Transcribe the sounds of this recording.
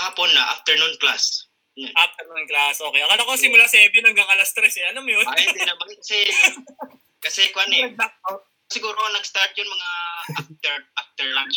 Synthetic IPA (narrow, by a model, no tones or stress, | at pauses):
haːponːɐʔa̰ft̪ɛɹnunklas | ʔaft̪ɛɾnunklasʔo̞ːkejʔɐkɐlɐkoŋsɪmʊlasɛbɛnɐŋɡɐŋʔalast̪ɾɛsɛʔɐnomʊjond̪nɐmankɐsɛ | kɐsɛkwanɛɐɡ̚d̪ɐo | sɪɡuːɾoɐnɐɡst̪aɾt̪̚jʊŋmɐŋaʔaft̪ɛɹʔaf̚t̪ɛɹnan